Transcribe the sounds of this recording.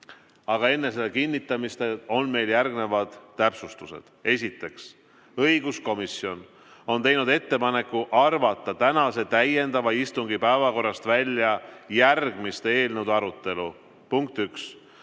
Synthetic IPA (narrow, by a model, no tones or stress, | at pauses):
ɑɡ̥ɑe̞nːe̞s̬elːekinːit̪ːˑɑmist̪eo̞nme̞jljærɡne̞vɑd̪̥ːæpsust̪use̞̰d̪̥e̞sʲit̪ːˑe̞ks | ɤjɡ̥usko̞misjo̞n | o̞nt̪e̞jnud̪e̞t̪ːe̞pɑne̞kːuʔɑrvɑt̪ːˑɑt̪ænɑse̞t̪æje̞nd̪̥ɑvɑist̪uŋɡipæevɑko̞rːɑst̪vælʲːjɑjærɡ̥mist̪ee̞ːlnewd̪ɑɾut̪ˑːe̞lu | puŋk̚t̪yks